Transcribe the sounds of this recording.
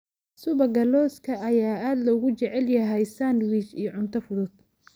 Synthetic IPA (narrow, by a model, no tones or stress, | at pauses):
sʊβɐɡɐlɔːskʰɐʔɐjaːaːd̪lɔɣʊt͡ʃɛʕɛljɐɦɛjsand̪wit͡ʃijʕʊnt̪ʰɐfʊðʊd̪̚